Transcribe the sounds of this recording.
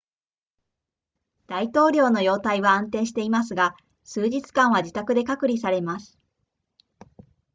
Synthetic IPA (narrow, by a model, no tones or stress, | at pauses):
d̪̥ait̪o̞ːɾʲo̞ːno̞jo̞ːt̪aiβãːnt̪ẽ̞ɰ̃ɕi̥t̪e̞imas̬ɨɡa | sɨːʑit͡sɨ̥kãɰ̃β̞aʑit̪akɯ̟d̪e̞kakɯ̟ɾʲisaɾe̞masɨ̥